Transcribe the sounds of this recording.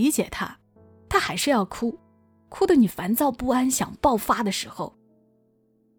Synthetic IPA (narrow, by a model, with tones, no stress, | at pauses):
i˧˥t͡ɕjɛ˨˩t̪ʰa̰˥ | t̪ʰa˥xa˧˥ɪʂɻ̩˥˧jɑ˥˩ʊkʰu˥ | kʰu˥d̪ə˨ni˨˩fa˧˥nt͡sɑ˥˧ʊpu˥˩a˥nɕjɑ̰˨˩ŋpɑ˥˩ʊfa˥d̪ə˨ʂɻ̩˧˥xo̰˧ʊ